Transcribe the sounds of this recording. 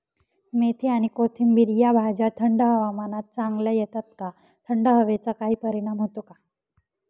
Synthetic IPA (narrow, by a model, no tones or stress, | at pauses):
met̪ʰiaɽ̃ikot̪ʰimbiɾjabʱad͡ʑat̪ʰəɳɖəɦəʋamanat̪̚t͡saŋɡləjɛt̪at̪ka | t̪ʰəɳɖəɦəʋet͡sakaɦiːpəɾiɽ̃amɦot̪oka